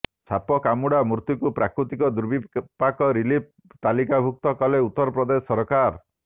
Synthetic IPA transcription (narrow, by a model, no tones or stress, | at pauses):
t͡ʃʰapɔkamuɽamuɾt̪ukupɾakɾut̪ikɔd̪uɾbipakɔɾilip̚ | t̪alikabʱuk̚t̪ɔkɔleut̪ːɔɾɔpɾɔd̪esɔɾkaɾ